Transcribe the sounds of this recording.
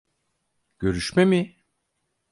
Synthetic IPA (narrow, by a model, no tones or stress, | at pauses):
ɟ̥ø̞ɾyʃmemi